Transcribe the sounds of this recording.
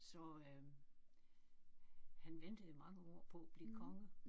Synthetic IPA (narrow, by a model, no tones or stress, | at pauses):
sɒ̽ | hænʋend̥əð̩ˠmɑ̈ŋəɒ̰ɐ̰pʰɒ̽b̥likʰɒ̽ŋə